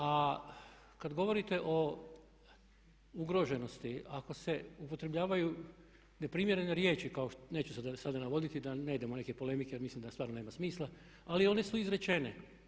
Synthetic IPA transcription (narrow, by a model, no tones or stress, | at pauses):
a | kad̪ɡo̞ʋo̞ɾit̪e̞ʔo̞ | uɡɾo̞ʒe̞no̞st̪iako̞se̞upo̞t̪ɾe̞bʎaːʋaju | ne̞pɾiːmje̞ɾe̞neɾje̞ːt͡ʃikao̞ʃne̞ːt͡ʃu̥sad̪asad̪anaʋo̞d̪it̪id̪ane̞id̪emone̞kepo̞le̞mikejeɾmislimd̪ast̪ʋaːɾnone̞ːmasmiːslˠa | alio̞ne̞suizɾe̞t͡ʃe̞ne